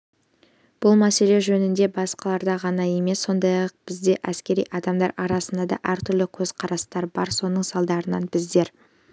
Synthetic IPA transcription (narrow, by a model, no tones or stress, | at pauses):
b̥ʊlˠmæse̞le̞ʒɵnɪnd̪e̞bɑsqɑlˠɑɾd̪ɑʁɑnɑje̞me̞sːo̞nd̪ɑjɑq̚b̥ɪzd̪e̞ʔæskʲe̞ɾḭjʔɑd̪ɑmd̪ɑɾɑɾɑsənd̪ɑd̪ɑ̰ʔæɾt̪ʰʏɾlɪkʲʰɵz̥qʰɑɾɑst̪ɑɾbɑɾso̞nəɴsɑlˠd̪ɑɾənɑ̰nbɪzd̪e̞ɾ